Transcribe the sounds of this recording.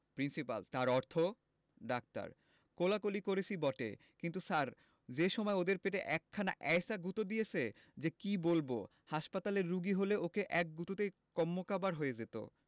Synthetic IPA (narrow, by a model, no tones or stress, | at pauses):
pɾinsipa̰lt̪aɾɔɾt̪ʰo | ɖak̚ʈa̰ɾ | kolakolikoɾet͡ɕʰibɔʈḛ | kint̪usaɾ | d͡ʑeʃɔmɔeod̪eɾpeʈeʔɛkʰːana̰ʔɛjsaɡut̪od̪ijet͡ɕʰe | d͡ʑekibolbo̰ | haʃpat̪aleɾːuɡiɦoleokeʔɛk̚ɡut̪ot̪ejkɔmːokabaɾɦojed͡ʑet̪o̰